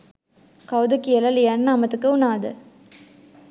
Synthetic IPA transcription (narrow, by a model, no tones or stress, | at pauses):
kɐwd̪ɐkːijɐlɐljɐnːaːmɐt̪ːɯkːɯʊnaːd̪ɯ